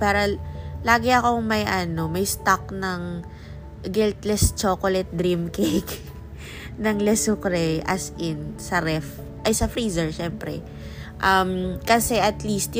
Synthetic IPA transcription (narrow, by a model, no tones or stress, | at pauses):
paːɾɐlaːɡɪɐko̞ŋmɐjʔɐno̞mɐjst̪ak̚nɐŋ | ɡɪlt̪lɛst͡ʃoːkolɛt̪̚d̪ɾimkek | nɐŋlɛsʊkɾɛjʔɐsʔɪnsɐɾɛf | ʔɐjsɐfɾiːzɛɹʃɛmpɾɛ̰ | ʔɐmkɐsɛʔɐt̪liːst̪j